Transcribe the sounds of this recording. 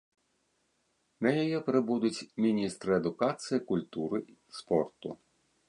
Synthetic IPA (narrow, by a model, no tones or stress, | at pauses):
nɐjɔjɛpɾɪbud̪ʊt͡sʲmʲinʲist̪ɾɨɛd̪ʊkat̪sɨjikʊlʲt̪uɾɨ | spɔrt̪ʊ